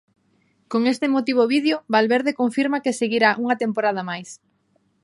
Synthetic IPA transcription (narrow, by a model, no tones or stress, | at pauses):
koŋest̪emot̪iβ̞oβiðjoβalβeɾðekoɱfiɾmakeseɣiɾaʔuŋɐt̪empoɾað̞ɐmajs